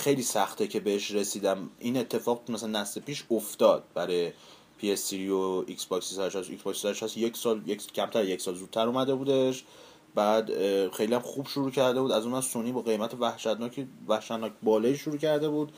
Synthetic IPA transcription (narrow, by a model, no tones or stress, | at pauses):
xejliːsæxt̪ʰecʰe̞beheʃɾe̞siːd̪æmʔine̞t̪ʰːe̞fɒːɣmæsælænːæslepiːʃoft̪ɒːd̪̥̚bæɾɒje | pʰiesːiɾioiksbɒcsisæɾeʃæsḭksbɒksisæɾeʃæsjecʰsɒːljeccʰæmt̪æɾjecsɒːlzuːd̪̚t̪ʰːæɾumæd̪e̞buːd̪e̞ʃ | bæːd̪xe̞jlijæmxuːbʃoɾuːcʰæɾd̪e̞buːd̪æzunmæd̪sonːiːbɒːɣe̞jmæt̪ʰevæhʃæt̪nɒːcʰivæhʃæt̪nɒːcʰbɒːlɒːiːʃoɾuːcʰæɾd̪e̞buːd̪